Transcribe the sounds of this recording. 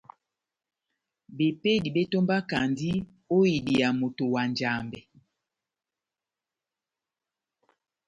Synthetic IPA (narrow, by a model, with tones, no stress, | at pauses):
be˨pe˦di˨be˦to˦mba˦ka˨ndi˦ | o˦i˨di˨ja˨mo˨to˨wa˨nd͡ʒa˨mbɛ˨